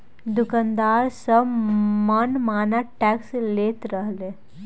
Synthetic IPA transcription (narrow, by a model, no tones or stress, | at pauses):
d̪ʊkand̪aːɾsəmənmaːnaʈɛːksleːt̪ɾəɦle